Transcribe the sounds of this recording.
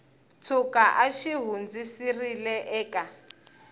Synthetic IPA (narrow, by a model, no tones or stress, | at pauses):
t͡sʰukaʔaʃiɦund͡zisirilɛʔɛːkʼa